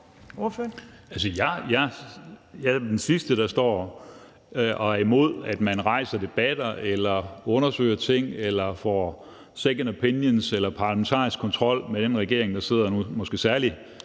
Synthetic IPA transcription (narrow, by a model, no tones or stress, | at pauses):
oføælsəjɑjɑ | jad̥ensisd̥əɾ̥ɑ̈sd̥ɒ̰ː | ʔɒæɐimo̝ð̞̰ˠæd̥mænʁɑ̈ɪ̰sɐd̥e̝b̥æd̥ɐelɐɔ̽nɐsø̰ɪɐt͡sʰe̝ŋ̰elɐfɒː | sekənopʰenjənselɐpʰɑ̈ːlæment͡sʰɑ̰̈ːisɡ̥kʰːɒ̽nt͡sʰʁɒ̽l̰meɾ̥enʁɛɡ̥e̝ɐ̰e̝ŋd̥ɑ̈se̝ð̞̰ˠɐnumɒ̽sɡ̥e̝ːsæɐli